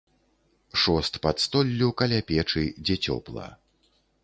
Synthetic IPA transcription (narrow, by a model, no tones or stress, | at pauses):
ʂɔst̪pɐt̪st̪ɔlʲːukɐlʲapʲɛt͡ʂɨd͡zʲɛt͡sʲɔ̰plˠɐ̰